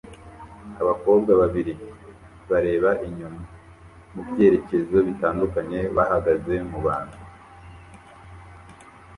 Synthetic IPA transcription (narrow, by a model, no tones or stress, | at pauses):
aβako̞ːb̚ɡaβaβiɾi | βaɾe̞ːβaʔiɲuma | mubje̞ɾe̞ce̞zo̞βitaːndukaɲe̞βahaɡaze̞muβaːn̥hu